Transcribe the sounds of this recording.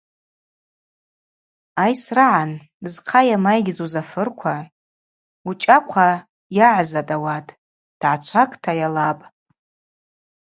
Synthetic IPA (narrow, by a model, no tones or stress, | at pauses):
ajsraʕan | zqʰajamajɡʲd͡zozafɨrkʷʰa | ut͡ʃʼakʷʰa | jaʕzatʼawatʼ | d̥ʕat͡ʃʷʰakʼtʰajalapʼ